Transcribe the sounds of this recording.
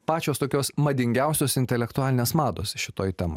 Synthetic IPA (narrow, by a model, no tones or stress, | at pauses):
pɑːt͡ʃʲoːst̪oːkʲoːsmɐd̪ʲɪŋʲɡʲæʊsʲoːsɪnʲt̪ʲɛlʲɛkt̪ʊɑːlʲɪnʲeːsmɑːd̪o̰ːsʃʲɪt̪oːjt̪ʲɛmɐ̰